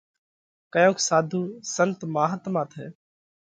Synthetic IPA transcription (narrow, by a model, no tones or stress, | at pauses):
kəjõːksaːd̪ʱũːsənt̪maːɦət̪mãːt̪ʰɦɛː